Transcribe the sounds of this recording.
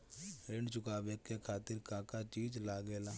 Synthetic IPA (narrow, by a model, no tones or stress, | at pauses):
ɾɪɳɖt͡ʃʊkaːʋekekʰaːt̪ɪɾkaːkat͡ʃiːd͡ʒlaːɡeːlaː